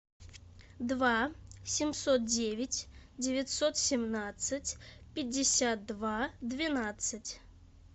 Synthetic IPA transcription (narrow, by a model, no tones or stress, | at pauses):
d̪vasʲɪmsot̪̚dʲevʲɪtʲdʲɪvʲɪt̪sot̪sʲɪmnat̪sɨt͡sʲpʲɪdʲːɪsʲat̪̚d̪vad̪vʲɪnat̪sɨtʲ